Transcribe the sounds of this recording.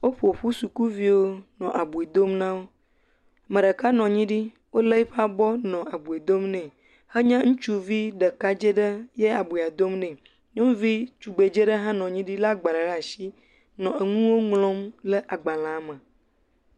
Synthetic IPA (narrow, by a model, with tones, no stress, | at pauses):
wo˦ɸo˨ɸu˦su˨ku˦vi˦wo˦nɔ̃˨ʔa˨bu˨e˨d̪o˦mnã˦wo˦ | mə̃˨ɖə˨ka˦nɔ̃˨ɲĩ˦ɖi˦ | wo˦lə˦ɸa˦bɔ˦nɔ̃˨a˨bu˨e˨d̪o˦mnɛ̃˨ | hə˦ɲã˦ŋũ˦t͡ʃu˦vi˦ɖə˨ka˦d͡ʒe˦ɖə˦je˦a˨bu˨a˨d̪o˦mnɛ̃˨ | ɲɔ̃˦vi˦t͡ʃu˨ɡ͡be˨d͡ʒe˦ɖə˦ɦã˦nɔ̃˨ɲĩ˦ɖi˦la˦ɡ͡ba˨ɖə˨ɖa˨ʃi˦ | nɔ̃˨e˨ŋũ˦wo˦ŋlɔ̃˦mlə˦ʔa˨ɡ͡ba˨lã˨˦mə̃˨